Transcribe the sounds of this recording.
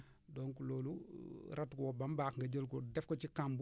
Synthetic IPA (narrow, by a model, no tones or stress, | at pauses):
dɔːŋkuloːluɾɐtkɔwɔbambaːkŋɡɐɟəlkɔdɛfkɔcikamb